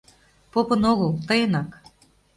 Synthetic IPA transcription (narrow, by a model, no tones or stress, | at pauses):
popɤ̆noɣɤlˠt̪ɤjənɑk